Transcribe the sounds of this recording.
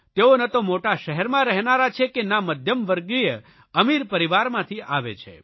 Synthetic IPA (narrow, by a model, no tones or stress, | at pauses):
t̪eonət̪omoʈaʃəɦɛɾmãɾəɦnaɾat͡ʃʰekenaməd̪ʱjəmʋəɾɡɾijə | əmiɾpəɾiʋaɾmãt̪ʰiʔaʋḛt͡ʃʰḛ